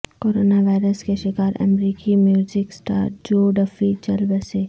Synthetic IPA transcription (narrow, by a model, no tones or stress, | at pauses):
koːɾoːnaʋaːɪɾəskeʃɪkaːɾʔɐ̰mɾiːkimjuːd͡ʒɪksʈa̰ːɾd͡ʒoːɖɐfit͡ʃɐlbeseː